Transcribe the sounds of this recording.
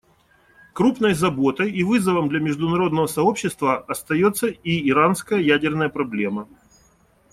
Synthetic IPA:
kɾupnəjzɐbo̞t̪əjivɨzəvəmd̪lʲɐmʲɪʐd̪ʊnɐɾo̞d̪nəvəsɐo̞pɕːɪst̪vəɐst̪ɐjo̞t̪sːəiɪɾanskəjəjædʲɪrnəjəpɾɐblʲe̞mə

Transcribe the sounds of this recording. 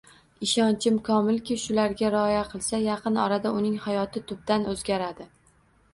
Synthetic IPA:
ɪʃɒnt͡ʃʰɪmkʰɒmɪlkʲɪʃʊlaɾɡʲaɾɪɒjaqʰɨlˠsajɑqʰɨnɒ̰ɾad̪aʊnɪŋhajɒt̪ʰɪt̪ʰʊb̚d̪anɵzɡʲaɾad̪ɪ

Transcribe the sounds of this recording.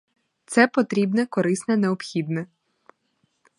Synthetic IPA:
t̪sɛpɔt̪ɾʲibnɛkɔɾɪsnɛneɔpxʲid̪nɛ

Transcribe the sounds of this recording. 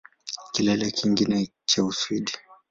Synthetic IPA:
kilɛlɛkʰiŋɡinɛ | t͡ʃausuiɗi

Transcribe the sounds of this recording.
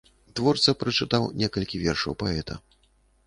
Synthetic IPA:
d̪vɔrt̪sɐpɾɨt͡ʂɨt̪awnʲɛkɐlʲkʲivʲɛrʂɐwpaɛt̪ʰɐ̰

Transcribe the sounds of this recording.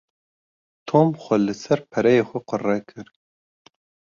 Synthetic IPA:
t̪ʰoːmxʷɛlɨsɛɾpʰɛɾɛjeːxʷɛqɨrɛkʰɨɾ

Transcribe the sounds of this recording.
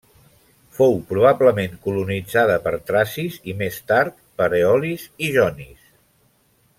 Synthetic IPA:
fowpɾuβ̞abləmeŋkulunid͡zaðəpəɾt̪ɾasizimest̪aɾt̪pəɾeɔliziʒɔnis

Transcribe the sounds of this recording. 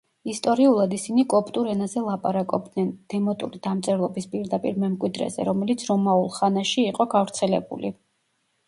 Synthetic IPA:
ist̪ʼɔɾiulˠad̪isinikʼɔpʼt̪ʼuɾɛnazɛlˠapʼaɾakʼɔb̚d̪nɛnd̪̥ɛmɔt̪ʼṵɾid̪amt̪sʼɛvlˠɔbispʼiɾd̪apʼiɾmɛmkʼwid̪ɾɛ̰zɛ̰ɾɔmɛlit̪sʰɾɔmaulˠχanaʃiːqʼɔɡavɾt̪sʰɛlɛ̰bṵli

